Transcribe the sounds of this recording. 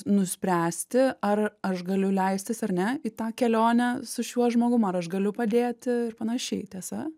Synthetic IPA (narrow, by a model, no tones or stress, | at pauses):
nʊsʲpʲɾʲæːsʲt̪ʲɪɐrɐʃɡɐlʲʊlʲɛɪsʲt̪ʲɪsɐɾnʲɛiːt̪ɑːkʲɛlʲoːnʲɛsʊʃʲuɔʒmoːɡʊmɐɐɾɐʃɡɐlʲʊpɐd̪ʲeːt̪ʲɪɪrpɐnɐʃʲɛɪt̪ʲiɛsɐ